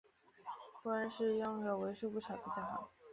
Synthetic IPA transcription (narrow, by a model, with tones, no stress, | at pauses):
pu˥˩a˧˥nʂɻ̩˥˧jɑ˥˩ŋjo˨˩ʊwe˧˥ɪʂu˥˧pu˥˩ʈ͡ʂʰɑ˨˩ʊd̪ə˦t͡ɕja˥˩xa̰˧˥˦